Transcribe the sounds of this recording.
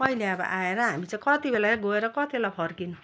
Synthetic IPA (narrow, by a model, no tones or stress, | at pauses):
pʌileʌbʌ̰ʔaeɾʌɦamit͡sãĩkʌt̪ibelaɡoeɾʌkʌt̪ibelapʰʌrkinu